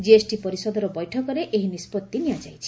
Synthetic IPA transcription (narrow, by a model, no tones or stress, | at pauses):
d͡ʒiesʈipɔɾisɔd̪ʱɔɾɔbɔjʈʰɔkɔɾeʔeɦinispɔt̪ːinijad͡ʒajt͡ʃʰi̥